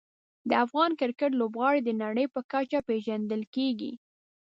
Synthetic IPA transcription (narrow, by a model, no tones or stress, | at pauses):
d̪əafɣɑnkɪɾkəʈ̬lobɣɑɽid̪ənaɽəjpəkat͡ʃapeʒand̪əlkeɡḭ